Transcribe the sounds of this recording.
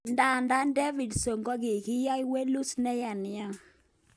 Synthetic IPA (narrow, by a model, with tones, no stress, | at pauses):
nda˦˨nda˦ndɛ˦vi˨dso˨ŋɡɔ˦ki˨ki˦ja˦jwe˦lu˦snɛ˦ja˨nɪ˨a˦˨